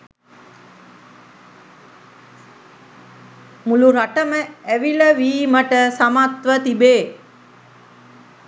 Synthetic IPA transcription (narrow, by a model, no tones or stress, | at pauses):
muluɾaʈəməæʋiləʋiːməʈəsamat̪ʋət̪ibeː